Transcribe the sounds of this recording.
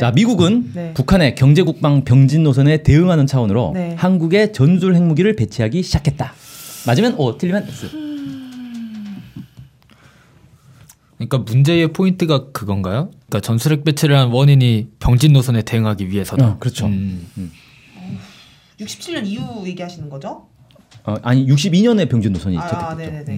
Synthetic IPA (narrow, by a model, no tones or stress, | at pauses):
t͡ɕamiɡuɡɯnpukʰane̞kjʌŋd͡ʑe̞ɡuk̚p͈aŋpjʌŋd͡ʑinːosʰʌne̞te̞ɯŋɦanɯnt͡ɕʰawonɯɾo̰nhanɡuɡe̞t͡ɕʌnsʰuɭhe̞ŋmuɡiɾɯɭpe̞t͡ɕʰiɦaɡiɕʰid͡ʑakʰe̞t̚t͈amad͡ʑɯmjʌnʌtʰiʎːimans͈ɯ | kɯɲik͈amund͡ʑe̞e̞pʰointʰɯɡakɯɡʌnɡajoik͈at͡ɕʌnsʰuɾek̚p͈e̞t͡ɕʰiɾɯɭɦanwʌɲiɲipjʌŋd͡ʑinːosʰʌne̞te̞ɯŋɦaɡiɥiɦe̞sʰʌdokɯɾʌt͡ɕʰo | juk̚ɕ͈i̥p̚t͡ɕʰiɲʌnijuje̞ɡiɦaɕʰinɯnɡʌd͡ʑo | ʌaɲijuk̚ɕ͈ibiɲʌne̞pjʌŋd͡ʑinːosʰʌɲḭt͡ɕʰeekent͡ɕoe